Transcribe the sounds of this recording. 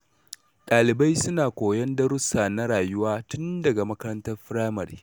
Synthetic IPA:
ɗaː˨lɪ˨ba˦jsʊ˦naː˨kʷoː˨jɐ˦ndɐ˦ɾʊ˦saː˨na˦ɾaː˨jʊ˦waː˦tʊ˦ndɐ˨ɡa˨mɐ˦kɐ˦ɾɐ˦ntɐ˦rɸɾaː˦mɐ˨ɾḭː˦

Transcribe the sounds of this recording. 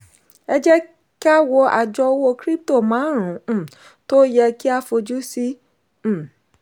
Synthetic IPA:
ɛ˧d͡ʒɛ˦ | ki˦a˦wo˧a˨d͡ʒɔ˧wo˦kɾi˦p̚to˦˨mãː˨˦ɾ̃ũ˨˦˨ | to˦jɛ˧ki˦a˦fo˧d͡ʒu˦si˦˨

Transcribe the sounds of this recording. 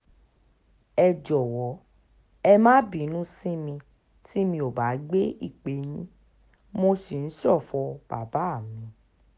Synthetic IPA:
ɛ˧d͡ʒɔ˨wɔ˨˦ | ɛ˧mãː˦bĩ˨˦nũ˦sĩ˦mĩ˧ | ti˦mĩ˧o˨ba˨˦ɡ͡be˦i˦˨k͡pe˧j̃ĩ˦ | mo˧si˨n̩˦ʃɔ˦˨fɔ˧b̥a˨ba˨˦a˦˨mĩ˧

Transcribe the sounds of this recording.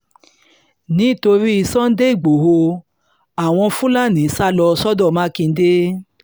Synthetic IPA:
nĩ˨˦to˧ɾi˦i˨˧sɔ̃˦n̩˦de˦i˦˨ɡ͡bo˨ɦo˧ | a˨w̃ɔ̃˧fũ˦la˦˨nĩ˨˦sa˦lɔ˧sɔ˦dɔ̃˦˨mã˦kĩ˧n̩˦de˦

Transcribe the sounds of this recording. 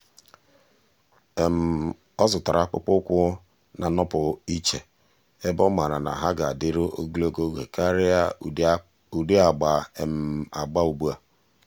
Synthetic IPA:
e˨m̩˨ | ɔ˦zʊ˨ta˨ɾa˨˦k͡pʊ̰˦k͡pʊ˦kʷʊ˦ | na˨nɔ˦pʊ˨i˦t͡ʃe˨ | e˦bɔ˦ma˨ɾa˨na̰˨ɦa˦ɡa˨a˨dɪ˦ɾʊ˦o˦ɡlo˦ɡo˦we˨ka˦ɾɪ˦a˦ | u˨di˦a˨ɡ͡ba˨e˨m̩˦a˨ɡ͡ba˦u˨ɡ͡bu˦a˨

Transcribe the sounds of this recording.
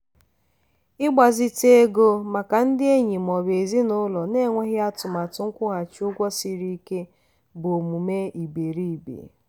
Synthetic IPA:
ɪ˦ɡ͡ba˨zɪ˦te˦e˦ɡo˦ma˨ka˨n̩˦dɪ˦e˦ɲi˨m˨ɔ˨be˨zi˦nʊ˦lɔ˨ne˦˨ŋʷe˦ɣɪ˦a˦tʊ˨ma˨tʊ˦ŋ̩˦kʷʊ˦ɣa˨t͡ʃi˦ʊ˦ɡʷɔ˦si˨ɾi˦i˦ke˦ | bo˨mu˨me˦i˨be˨ɾi˦i˨bḛ˨

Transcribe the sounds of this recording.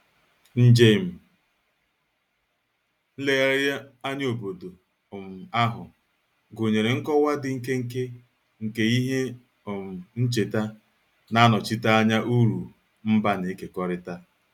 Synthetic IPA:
n̩˦d͡ʒe˦˨m̩˨ | n̩˦le˦ɣa˦ɾɪ˦ja˦a˦ɲ˦o˨bo˨do˨ | ʊ˨m̩˨a˦ɦʊ˨ | ɡo˨ɲe˨ɾe˨ŋ̩˦kɔ˦wa˦dɪ˨ŋ̩˦ke˦ŋ̩˦ke˦ | ŋ̩˨ke˨i˦ɦe˦˨ | m̩˨n̩˦t͡ʃe˨ta˦ | na˦nɔ˨t͡ʃi˦ta˦a˦ɲa˦ʔu˦ɾu˨ | m̩˦ba˦ne˨˦ke˨kɔ˦ɾɪ˦ta˦

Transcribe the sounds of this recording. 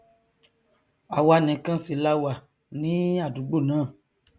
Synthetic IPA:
a˨wa˧nɛ̃˨kã˦si˨la˦wa˨ | nĩ˨˦a˦˨du˨˦ɡ͡bo˦˨nãː˦˨

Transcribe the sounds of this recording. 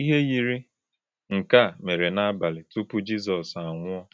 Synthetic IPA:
i˦ɦe˦ji˦ɾi˦ | ŋ̩˨ka˦˨me˨ɾe˨na˦a˦ba˨lɪ˨tu˦pu˦d͡ʒi˦s̬ɔ˨sa˨ŋʷʊ˦ɔ˦

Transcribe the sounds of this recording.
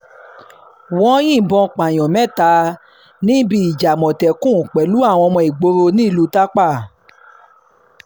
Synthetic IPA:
wɔ̃˨˦jĩ˦˨bɔ̃˧k͡pa˨j̃ɔ̃˨mɛ̃˦˨ta˧ | nĩ˦bi˧˦i˨d͡ʒa˨mɔ̃˨tɛ˨kũ˦˨k͡pɛ˨lu˨˦a˦˨w̃ɔ̃˧mɔ̃˧i˨ɡ͡bo˧˦ɾo˧nĩ˦˨lu˨˦ta˦k͡pa˦˨

